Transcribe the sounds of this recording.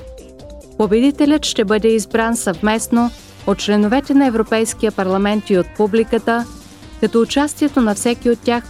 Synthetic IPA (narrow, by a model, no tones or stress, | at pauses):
pobɛd̪it̪ɛlʲət̪ʃt̪ɛbɤd̪ɛizbɾansɐvmɛsno | ot̪̚t͡ʃlɛnovɛt̪ɛnɐɛvɾopɛjskijəpɐɾlˠɐmɛnt̪iot̪̚publikət̪ə | kɐt̪ɔːt͡ʃast̪iɛt̪onɐfsɛkʲiot̪ːʲax